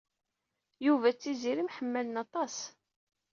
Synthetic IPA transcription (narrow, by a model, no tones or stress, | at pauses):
juvæt͡sːiziɾimħəmːælənɑt̪ˤɑs